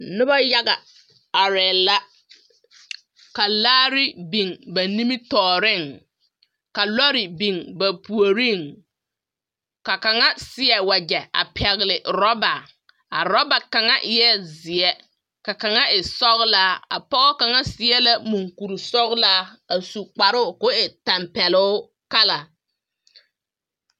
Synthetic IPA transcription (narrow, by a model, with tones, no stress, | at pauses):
nʊ˦ba˦ja˦ɡa˨ | a˨ɾɛː˨la˦ | ka˨laː˦ɾi˦bi˨ŋba˨ni˦mi˦tɔː˨ɾɪ˦˨ŋ | ka˨lɔ˦ɾi˨bi˨ŋba˨pu˨o˨ɾi˦˨ŋ | ka˨ka˨ŋa˦sɪ˦ɛ˨wa˨d͡ʒɛ˨a̰˨pʰɛ˨ɣɪ˨lɪ˨ɾɔ˦ba˨ | a˨ɾɔ˦ba˨ka˨ŋa˦ʔɪ˨jɛ˦zɪ˨ɛ˦ | ka˨ka˨ŋa˦ʔɪ˨sɔ˦ɣlaː˦a̰˨pɔ˦ɣɔ˦ka˨ŋa˦sɪ˨ɛ˦la˦mu˨ŋku˨ɾi˨sɔ˦ɣla˦a˨su˨k͡pa˨ɾʊ˦˨kʊ˦ɪ˨ta˨mpɛ˨lʊ˦ʊ˦ | ka˦la˨